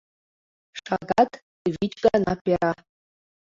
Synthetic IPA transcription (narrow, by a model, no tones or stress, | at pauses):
ʂaɡatʰ | vit͡ʃɡʼanapeɾa